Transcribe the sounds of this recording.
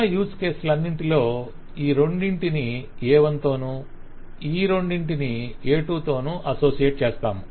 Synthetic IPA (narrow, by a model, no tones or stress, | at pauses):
juːske̞ːslɐnːiɳʈilo̞ː | iːɾo̞ɳɖiɳʈiniɛːʋɐnt̪o̞ːnuː | iːɾo̞ɳɖiɳʈinieːʈuːt̪o̞ːnuːʔɐso̞ːsijeʈ̚t͡ʃeːst̪aːmu